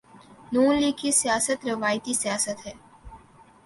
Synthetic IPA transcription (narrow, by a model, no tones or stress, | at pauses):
nuːnliːkːisjaːsət̪ɾɪʋaːjt̪isjaːsət̪ɦɛː